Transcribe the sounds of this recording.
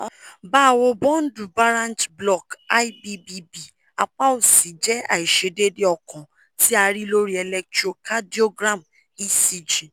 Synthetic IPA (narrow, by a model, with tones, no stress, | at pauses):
ba˦˨wo˧bɔ̃˦n̩˦du˨ba˦ɾã˦ntblɔ˨ka˦i˦bi˦bi˦bi˨ | a˨k͡pa˦o˨si˨d͡ʒɛ˨˦a̰˨i˨ʃe˨de˦de˦ɔ˨kɔ̃˨ | ti˦a˧ɾi˦lo˦ɾi˦ɛ˧lɛ˦k̚tɾo˨ka˦di˦o˦ɡɾã˦˨m | i˦si˦˨d͡ʒĩ˨